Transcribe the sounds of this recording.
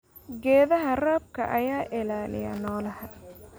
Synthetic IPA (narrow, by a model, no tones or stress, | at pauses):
ɡɛːðɐɦɐraːb̚kʰɐ̰ʔɐjaːʔɪlaːlɪ̰jɐ̰nɔːlɐhɐ